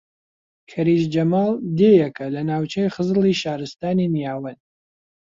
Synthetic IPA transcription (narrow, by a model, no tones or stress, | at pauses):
kʰɐɾiːʃd͡ʒɐmaːlˠd̪eːjɛkʰɐlɐnaːwt͡ʃʰejχəzliʃaːɾɨst̪aːninijaːwɐn